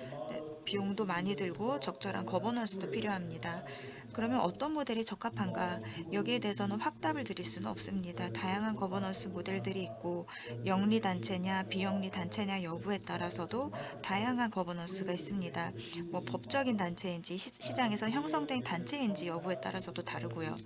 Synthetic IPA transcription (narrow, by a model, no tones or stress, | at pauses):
nepijoŋdomaɲidɯɭɡot͡ɕʌk̚t͡ɕ͈ʌɾa̰nkʌbʌnʌs͈ʰɯdopʰiɾjoɦamɲida | kɯɾʌmjʌnʔʌt͈ʌnmode̞ɾit͡ɕʌk͈ʰapʰanɡajʌɡiede̞ɦesʰʌnɯnɸwak̚t͈abɯɭtɯɾiɭs͈unɯnʌp̚s͈ɯmɲidatajaŋɦankʌbʌnʌs͈ʰɯmode̞ɭdɯɾiːk̚k͈o | jʌŋɲidant͡ɕʰe̞ɲapijʌŋɲitant͡ɕʰe̞ɲajʌbue̞t͈aɾasʰʌdotajaŋɦankʌbʌnʌs͈ʰɯɡais͈ɯmɲida | mwʌpʌp̚t͡ɕ͈ʌɡintant͡ɕʰe̞ind͡ʑiɕʰid͡ʑaŋe̞sʰʌçjʌŋsʰʌŋdweŋtant͡ɕʰe̞ind͡ʑijʌbue̞t͈a̰ɾasʰʌdotaɾɯɡojo̰